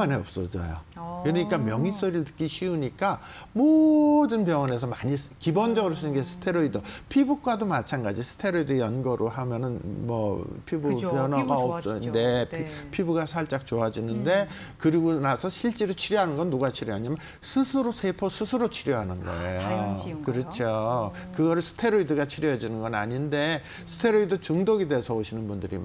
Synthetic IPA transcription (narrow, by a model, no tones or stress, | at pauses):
aneʌp̚s͈ʌd͡ʑʌ̰jo̰kɯɲik͈amjʌŋis͈oɾiɭtɯ̥k͈iɕʰiuɲik͈amodɯnpjʌŋʌne̞s̬ʰʌmaɲiskibond͡ʑʌɡɯɾos̬͈ʰɯnnɡesʰɯ̥tʰe̞ɾoidʌpʰibuk͈wadomat͡ɕʰanɡad͡ʑisʰɯ̥tʰe̞ɾoidɯjʌnɡʌɾʔoɦamjʌnɯnmʌpʰibupjʌnwaɡaʌsne̞pʰipʰibuɡasʰaɭt͡ɕ͈ak̚t͡ɕoad͡ʑinɯnde̞ | kɯɾiɡonasʰʌɕʰiɭt͡ɕ͈iɾɯt͡ɕʰiɾjʌɦanɯnɡʌnːuɡat͡ɕʰiɾjʌɦaɲamjʌn | sʰɯsʰɯɾosʰepʰosʰɯsʰɯɾot͡ɕʰiɾjʌɦanɯnɡʌ̰ḛjokɯɾʌt͡ɕʰo | kɯɡʌɾɯɭsʰɯ̥tʰe̞ɾoidɯɡat͡ɕʰiɾjʌd͡ʑinɯnɡʌnaɲinde̞ | sʰɯ̥tʰeɾoidɯt͡ɕɯŋdoɡide̞ːsʰʌoɕʰinɯnbundɯɾḭ